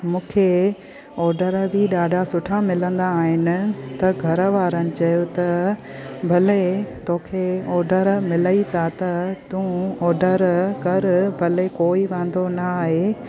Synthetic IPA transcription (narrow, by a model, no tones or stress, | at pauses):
mũːkʰe | ɔːɾɖəɾbʱɪɗaːɖʱasʊʈʰamɪlə̃nd̪aːɦɪnɪ̆t̪ɐɡʱɐɾəʋaːɾənɪ̆t͡ɕɐjot̪ɐ | bʱɐlet̪oːkʰeɔːɾɖəɾmɪləit̪ʰat̪ɐt̪ũːɔːɾɖəɾkɐɾbʱɐlekoːiʋɛ̃ːnd̪onɐaːɦe